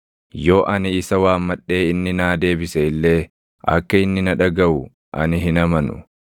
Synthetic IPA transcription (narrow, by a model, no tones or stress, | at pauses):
jo̞ːʔɐnɪɪsɐwaːmːɐᶑe̞ːɪnːɪnaːd̪e̞ːbɪseɪlːe̞ː | ʔɐ̰kːɐɪnːɪnɐᶑɐɡɐʔʊ | ʔɐ̰nɪɦɪnɐmɐnʊ̰